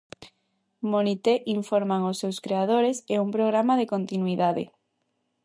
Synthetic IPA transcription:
monit̪eʔiɱfoɾmaŋʊsːewskɾeaðoɾeseumpɾoɣ̞ɾamaðekont̪inuiðaðḛ

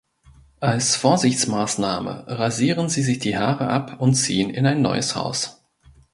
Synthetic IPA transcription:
ʔalsfoːɐzɪçt͡smaːsnaːmə̰ʁaziːʁənziːzɪçd̥iːhaːʁəʔapʰʊntt͡sḭːənɪnaɪnːɔ̰ʏəsha̰ʊs

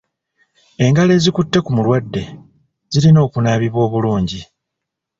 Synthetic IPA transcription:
e̞ŋɡale̞ːzikutːe̞kumulwadːe̞ | zilino̞ːkunaːβiβwo̞ːβuluːɲɟi

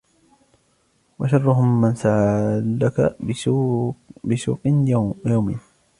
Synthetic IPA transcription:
waʃɑrˤːʊɦʊmːansaʕalaka | bɪsuːqnjawmḭːn

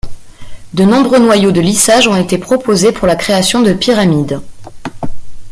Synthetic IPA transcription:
d̪ənɔ̃bʁønwajod̪əlisaʒɔ̃et̪epχɔpozepuʁlakχeasjɔ̃d̪əpiʁamid̪

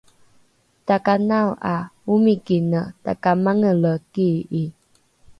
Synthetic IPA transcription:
takanawʔaumikinəta̰kamaŋələkii

